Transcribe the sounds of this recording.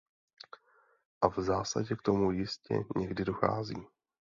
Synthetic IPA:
ʔavzaːsa̰ɟɛkt̪o̞mujɪscɛ̰ɲɛɡdɪdo̞xa̰ːzḭː

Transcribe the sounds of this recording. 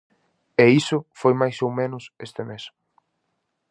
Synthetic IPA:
eisʊfojmajsowmẽnʊsest̪emes

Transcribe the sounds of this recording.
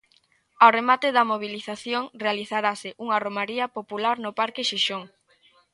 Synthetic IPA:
aremat̪ɪðɐmoβ̞iliθaθjoŋrealiθaɾasɪʔuŋaromaɾiɐpopulaɾnʊpaɾkɪʃiʃoŋ

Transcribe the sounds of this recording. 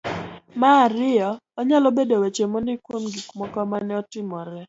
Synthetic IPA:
maɾɪɔːɲalɔbedowet͡ʃemondɪkwomɡikmɔkɔmanɛɔtɪmɔɾɛ

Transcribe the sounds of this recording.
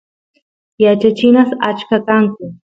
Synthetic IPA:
jat͡ʃat͡ʃɪnasa̰t͡ʃkakaŋkʊ

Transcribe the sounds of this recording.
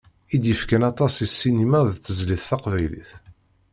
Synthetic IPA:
id̪jəfkænɑt̪ˤɑsisːinimæðθːəzliθθɑqvæjlḭθ

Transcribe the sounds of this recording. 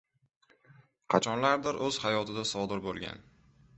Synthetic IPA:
qʰɑt͡ʃʰɒnlaɾd̪ɪɾɵz̥hajɒt̪ɪd̪asɒd̪ɪɾbolˠɡʲa̰n

